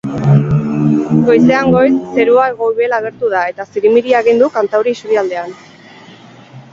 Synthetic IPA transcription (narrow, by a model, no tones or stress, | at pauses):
ɡo̞jse̞aŋɡo̞jsːe̞ɾuaeɣo̞jβelaɣ̞e̞ɾt̪uð̞ae̞t̪asiɾimiɾiaɣind̪ukant̪awɾiːsuɾiald̪e̞an